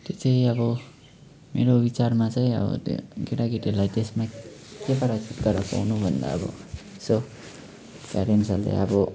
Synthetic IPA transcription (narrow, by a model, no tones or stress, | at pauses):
t̪et͡saĩʌbʌ | meɾobit͡sarmat͡saĩʌ̰bʌ̰t̪ɡeʈaɡiʈeɾlajt̪esmakepʌɾat͡sʰit̪ɡʌɾʌpa̰wnubʱʌnd̪a̰ʌ̰bʌ̰ | so | ka̰ɾinsʌllḛʌbʌ